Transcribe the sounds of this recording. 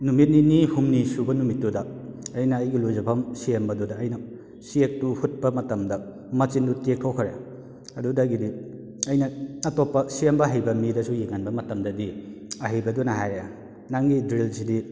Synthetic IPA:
numit̚ninihumnisubɐnumitːudɐɐjnɐːjɡiluzɐpʰɐmsiembɐdudɐːjnɐ | siek̚tuhut̚pɐmɐtɐmdɐ | mɐt͡ʃindutek̚ʰawkʰɐɾe | ɐdudɐɡidi | ɐjnɐːtɔpːɐsiembɐɦajbɐmidɐsujiŋanbɐmɐtɐmdɐdiɐɦijbɐdunɐɦajɾe | naŋɡidɾilsidi

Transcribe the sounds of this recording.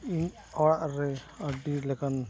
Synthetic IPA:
iɲ | ɔɽaʔɾɛ | əɖilɛkan

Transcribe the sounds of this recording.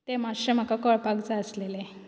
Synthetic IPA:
t̪emaɕəm̤akakɔɭpaɡt͡saəslele

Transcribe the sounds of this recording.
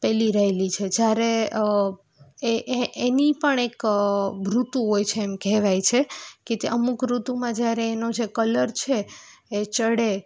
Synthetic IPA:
pɛliɾəɦelit͡ʃʰed͡ʒjaɾe | eʔʔenipəɳekbɾut̪uɦojt͡ʃʰeːmkɛɦʋajt͡ʃʰeket̪eʔəmukɾut̪umãd͡ʒjaɾeːnod͡ʒekələɾt͡ʃʰeː | t͡ʃəɽe

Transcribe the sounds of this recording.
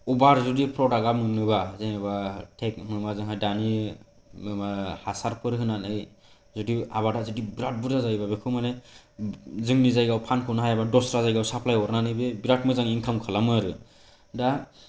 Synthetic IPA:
ɔbaɾzudipʰɾɔaɡamɯnɯbazɯŋaβatʰek̚mɯnɯmazɯŋɦajdani | mɯmahasaɾpʰɯɾɦɯnanɯj | zudiaβadazɯdibiɾat̚budazajbabekʰɯmane | zɯŋnizajɡawpʰankʰɯnaɦajabadɔsɾazajɡawsapʰlajɔɾnanɯjbebiɾat̚mɯzaŋiŋkʰamkʰɯlamɯɾɯ | da

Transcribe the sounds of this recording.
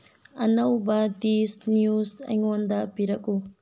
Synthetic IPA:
ɐnɐwbɐdisnjuzɐ̰jŋond̪ɐpiɾɐku

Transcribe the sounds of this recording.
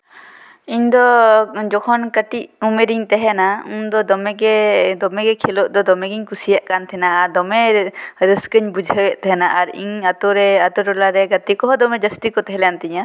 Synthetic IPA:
iɲd̪ɔd͡ʒɔkʰɔnkəʈiʔumeɾiɲt̪ɛɦɛnaund̪ɔd̪ɔmɛɡɛd̪ɔmɛɡɛkʰɛlɔʔd̪ɔd̪ɔmɛɡiɲkusijaʔkant̪ʰɛnaaɾd̪ɔmɛɾəskəɲbud͡ʒʱəwɛʔt̪ɛɦɛnaʔaɾḭɲat̪ɔɾɛat̪ɔɾɔlaɾɛɡat̪ikɔɦɔd̪ɔmɛd͡ʒəst̪ikɔt̪ɛɦɛlɛjant̪iɲa

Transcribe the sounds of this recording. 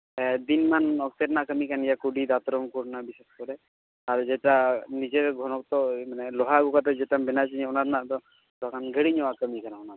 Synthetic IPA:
d̪inmanɔk̚t̪eɾnaʔkəmikanijakuɖid̪at̪ɾɔmkuɾnabiseskɔɾɛ | aɾd͡ʒɛʈanid͡ʒeɾɡʱɔnɔk̚t̪ɔmanɛlɔɦaɡukat̪ɔd͡ʒɛʈamɛnat͡ʃiɲɛɔnaɾnaʔt̪ɔ | lɔakanɡʱəɽiɲɔwakəmikanaɔnaɾ

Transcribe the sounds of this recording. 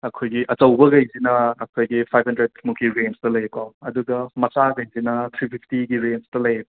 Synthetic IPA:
ɐkʰojɡiʔɐt͡ʃɐwbɐɡɐjzinɐːkʰojɡipʰajb̚ʰhɐndɾed̚mukʰiɾenstɐlɐjekaɐduɡɐmɐsaɡɐjnzinɐtʰɾipʰipʰtiɡiɾenstɐlɐje

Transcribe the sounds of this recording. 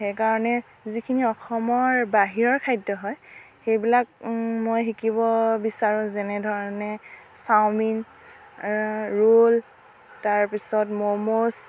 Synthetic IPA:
xejkaɹɔnɛ | zikʰiniɔxɔmɔɹbaɦiɹɔɹkʰajdɔɦɔj | xejbilak̚mojxikibɔbisaɹũzɛnɛdʱɔɹɔɔnɛsawmin | ɹol | taɹpisɔtmomos

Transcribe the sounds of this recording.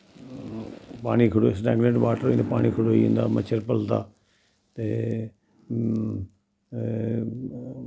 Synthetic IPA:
paːɽ̃ikʰʊɽosʈɛːɡneʈʋaːʈəɾĩːd̪apaːɽ̃ikʰʊɽoːĩːnd̪a̰ːmət͡ʃʰəɾpəlt̪a̰ː | t̪e

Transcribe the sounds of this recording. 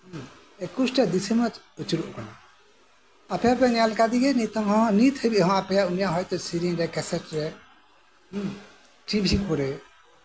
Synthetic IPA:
ekusʈad̪isɛmɔt͡ʃ | ut͡ʃiɾuʔkana | apʰɛapɛɲalkad̪iɡɛnit̪ɔŋɦɔ̃nit̪ʰhəjbiʔhɔ̃ʔapɛjaunijaʔɦɔjt̪ɔsiɾiŋɾɛkɛsɛʈɾɛ | ʈibsipɔɾɛ

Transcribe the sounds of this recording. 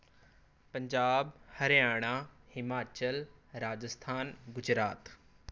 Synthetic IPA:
pɐ̃ɲd͡ʑaːbhɐɾjaːɽ̃ãhɪmaːt͡ɕəlɾaːd͡ʑəst̪ʰaːnɡʊd͡ʑɾaːt̪

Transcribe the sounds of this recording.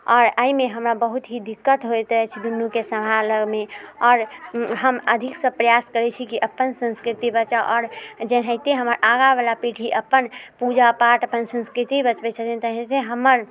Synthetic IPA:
ɔːɾaimeɦəmɾabəɦut̪ɦid̪ikːət̪ɦojt̪ɛt͡ʃʰd̪unjukesəmʱaləɡmẽɔːɾɦəməd̪ʱiksəpɾəjaskəɾɛt͡ʃʰikiʔəpːənsə̃nskɾit̪ibət͡ʃaʔɔːɾd͡ʒenɦəit̪eɦəməɾʔaɡabalapiʈʰɦiʔəpːənpud͡ʒapaʈəpənsə̃nskɾit̪ibət͡ʃbɛt͡ʃʰət̪int̪əɦẽt̪eɦəməɾ

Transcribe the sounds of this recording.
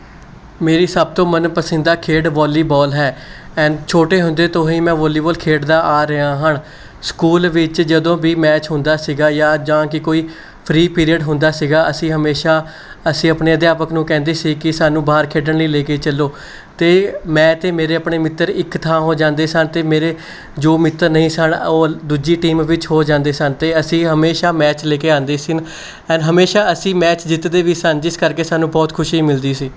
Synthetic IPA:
meːɾiːsəb̚t̪õːmənpəsə̃nd̪aːkʰeːɖʋɔːliːbɔːlɦɛːɛ̃ːɖt͡ʃʰoːʈeːɦʊnd̪eːt̪õːɦiːmɛ̃ːʋɔːliːbɔːlkʰeːɖd̪aːʔaːɾəaːɦəɳ | skuːlʋɪt͡ʃd͡ʒəd̪õːbiːmɛːt͡ʃɦʊnd̪aːsiːɡaːjaːd͡ʒãːkɪkoːiː | pʰɾiːpiːɾiəɖɦʊnd̪aːsiːɡaːʔəsĩːɦəmeːʃaː | əsĩːəpɳeːəd̪jaːpəknũːkɛ̃ːnd̪eːsiːkɪsaːnũːbaːɾkʰeːɖəɳləiːleːkeiːt͡ʃəlːoː | t̪eːmɛ̃ːt̪eːmeːɾeːəpɳeːmɪt̪ːəɾɪkt̪ʰãːɦoːd͡ʒãːnd̪eːsənt̪eːmeːɾeː | d͡ʒoːmɪt̪ːəɾnəĩːsənoːd̪uːd͡ʒiːʈiːmʋɪt͡ʃɦoːd͡ʒãːnd̪eːsənt̪eːəsĩːɦəmeːʃaːmɛːt͡ʃleːkeːãːnd̪eːsɪn | ɛ̃ːnɦəmeːʃaːəsĩːmɛːt͡ʃd͡ʒɪt̪d̪eːʋiːsənd͡ʒɪskəɾkeːsaːnũːbɔːt̪kʰʊʃiːmɪld̪iːsiː

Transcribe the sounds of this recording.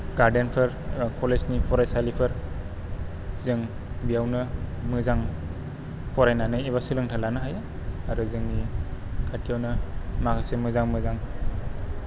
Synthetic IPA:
ɡaɾdenpʰɯɾkʰɔlesnipʰɔɾajsalipʰɯɾ | zɯŋ | bijawnɯ | mɯzaŋ | pʰɔɾajnanɯiβasɯlɯŋtʰalanɯɦaj | aɾɯzɯŋnikʰatʰijawnɯmakʰasemɯzaŋmɯzaŋ

